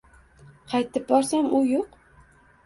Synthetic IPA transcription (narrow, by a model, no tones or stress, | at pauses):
qʰɑjt̪ʰɪp̚bɒɾsamʊjoq